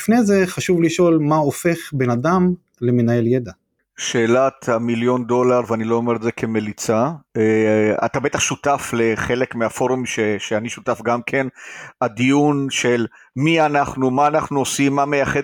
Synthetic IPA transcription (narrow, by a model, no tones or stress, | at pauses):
ifnejzeχaʃuvliʃo̞lmaofe̞χbe̞nad̪am | lemenaje̞ljed̪a | ʃe̞ːlat̪hamiljo̞ndo̞laʁveanilo̞omeʁetze̞kʰe̞me̞lit͡saea̰t̪abet̪aχʃutafle̞χe̞lekmeafo̞ʁumʃeʃeaniʃu̥tafɡamkʰe̞nad̪ijunʃe̞l | mianaχnumaːnaχnuosimːame̞jaχe